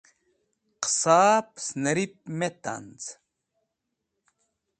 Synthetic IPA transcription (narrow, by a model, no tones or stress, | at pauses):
qsaːpsnɐɾip̚met̪a̰nt͡s